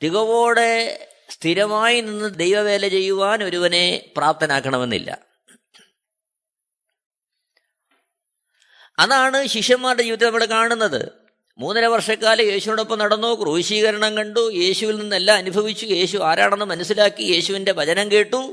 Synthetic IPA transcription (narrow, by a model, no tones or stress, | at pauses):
t̪iɣɐʋo̞ːɽe̞ | st̪ʰiɾɐmaːjininːɨd̪ejʋɐʋe̞ːlɐt͡ɕe̞jːuʋaːnɐɾuʋɐne̞praːp̚t̪ʰɐnaːkːɐɳɐme̞nːḭlːɐ̰ | ɐðaːɳɨɕikʂjɐmːaːrʈeiːʋit̪ːɐnɐmːɐɭkaːɳunːɐðɨ̰ | muːnːɐlɐʋɐrʂɐkːaːlɐje̞ːɕuʋinuɽeo̞pːɐmnɐɽɐnːoːkruːɕiːɣɐɾɐɳɐŋkɐɳɖuje̞ːɕuʋilninːelːaːɐnubʱɐʋit͡ɕːuje̞ːɕuaːɾa̰ːɳenːɨmɐnɐsːilaːkːije̞ːɕuʋinde̞bʱɐðɐnɐmkeːʈːu